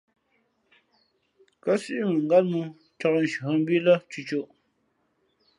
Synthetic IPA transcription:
kə˦si˦ʔi˦mɨ˨ŋ̩˨ɡa˦tmu˦ | t͡ʃɔ˦kn̩˨ʃu˨ə˦m̩˦bi˦lə˦t͡ʃu˨t͡ʃo˦˨ʔ

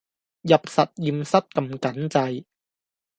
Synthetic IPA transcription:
jɐ˨p̚sɐ˨t̚jiː˨˧msɐ˥t̚kɐ˧mkɐ˨˥nt͡sɐ˧j

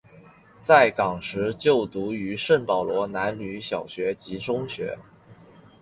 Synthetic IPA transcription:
t͡sa˥˩ɪkɑ˨˩ŋʂɻ̩˧˥t͡ɕjo˥˩ʊt̪u˧˥y˧˥ʂə˥˩npɑ˨˩ʊlwɔ˧˥na˧˥nly˧˥ɕjɑ˨˩ʊɕɥɛ˧˥t͡ɕi˧˥ʈ͡ʂʊ˥ŋɕɥɛ̰˧˥

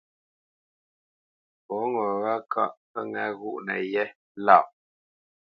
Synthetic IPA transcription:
pɔ˨˦ŋɔ˨ɣa˦kʰa̰˦ʔpə˦ŋɛ˦ɣu˦ʔnə̰˨jɛ˦ | la˦˨ʔ

